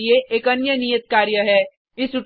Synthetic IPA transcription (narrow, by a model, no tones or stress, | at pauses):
ieʔeːkɐnjənijət̪kaːɾjəɦɛː | ɪsʊʈ